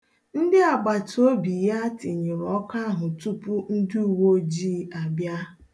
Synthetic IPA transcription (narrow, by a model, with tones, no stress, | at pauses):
n̩˦dɪ˦a˨ɡ͡ba˨to˦bi˨ja˦tɪ˨ɲɪ˨ɾɔ˦ka˦ɦʊ˨tu˦pʊ˦n̩˦dɪ˦u˨wo˦d͡ʒiː˦a˨bja˦